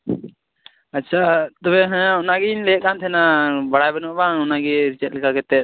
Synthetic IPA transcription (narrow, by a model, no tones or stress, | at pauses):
atːt͡ʃʰat̪ɔbɛɦɛ̃ɔnaɡɛinlɛʔ̚kant̪ʰɛnabaɽajbɛnɔʔbaŋɔnaɡɛɾit͡ʃɛt̪̚lɛkakɛt̪ɛt̪̚